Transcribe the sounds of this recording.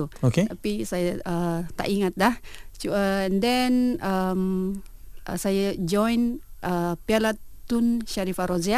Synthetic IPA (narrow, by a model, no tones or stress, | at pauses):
uoket̪apisajaət̪a̰ʔiŋat̪̚laht͡ʃuəɛndɛnəm | ʔsajad͡ʒɔjnʔəpialat̪ːunʃaɾifaɾozea